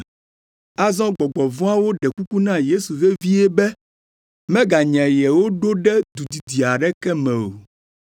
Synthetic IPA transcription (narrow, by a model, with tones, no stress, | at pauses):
a˦zɔ̃˦ɡ͡bɔ˨ɡ͡bɔ˨vɔ̃˦a˦wo˦ɖɛ˨ku˦ku˦nã˦je˦su˨ɣe˦vi˦ɛ˦bɛ˦ | mɛ̃˦ɡa˨ɲɛ̃˨jɛ˨wo˦ɖo˦ɖɛ˦d̪u˨d̪i˨d̪i˨a˨ɖɛ˦kɛ˦mɛ̃˨o˨